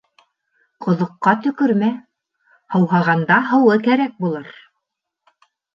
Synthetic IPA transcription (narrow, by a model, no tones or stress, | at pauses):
qŏðŏqːɑt̪ɵ̆kɵ̆ɾmæ | hɤ̆wɦɑʁɑnd̪ɑɦɤ̆wɤkæɾæk̚bulˠɤɾ